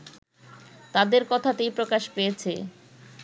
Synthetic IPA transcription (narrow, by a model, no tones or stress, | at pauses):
t̪ad̪eɾkɔt̪ʰat̪ejpɾokaʃpejet͡ɕʰe